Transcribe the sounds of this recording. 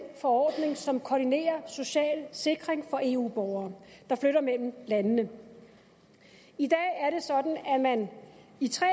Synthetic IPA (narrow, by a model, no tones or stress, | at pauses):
nfɒ̽ɒ̰ːd̥ne̝ŋsɒ̽mkʰɒːdine̝̰ːɐso̝ɕɛ̰ːlse̝ɡ̥ʁeŋfɒ̽ʔe̝ːṵːb̥ɒʊɐːd̥ɑ̈fløɾɐmel̰m̩lænnə | id̥ɛ̰ːæɐɾe̝sɒ̽d̥n̩æmænit͡sʰʁɛ